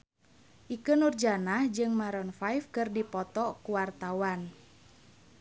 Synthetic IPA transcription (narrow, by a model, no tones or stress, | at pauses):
ʔikənurd͡ʒanahd͡ʒɨŋmaɾɔnfajfkɨrdipɔt̪ɔkuwart̪awan